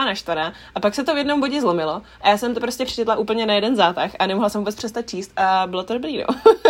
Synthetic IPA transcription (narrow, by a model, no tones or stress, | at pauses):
anaʃt̪aɾa | ʔapaksɛt̪ovjɛdno̞mboɟɪzlo̞mɪlo̞ʔajaːsɛmt̪opɾoscɛpr̥ɛ̥t͡ʃɛt̪laʔuːpl̩ɲɛnajɛdɛnzaːt̪axʔanɛmoɦlasɛmvuːbɛt͡spfr̥ɛst̪at̪̚t͡ʃiːst̪ʔabɪlot̪odobɾiːno̰